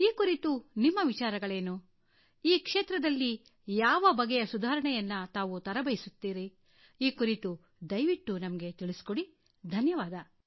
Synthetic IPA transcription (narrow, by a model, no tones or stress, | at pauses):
iːkuɾit̪unimːɐʋit͡ʃaːɾɐɡɐɭe̞ːnu | iːkʂeːt̪ɾɐd̪ɐlːi | jaːʋɐbɐɡɛjɐsud̪ʱaːɾɐɳɛjɐnːɐt̪aːʋut̪ɐɾɐbɐjisut̪ːiːɾi | iːkuɾit̪u | d̪ɐjʋiʈːunɐmɐɡe̞t̪iɭisi̥koɽi | d̪ʱɐnjɐʋaːd̪ɐ